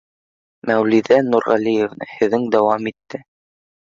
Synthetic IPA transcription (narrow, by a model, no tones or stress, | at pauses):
mæwliðænuɾʁɑlijevnɤ̰hɘ̆ðːɘŋd̪æwɑmit̪ːɘ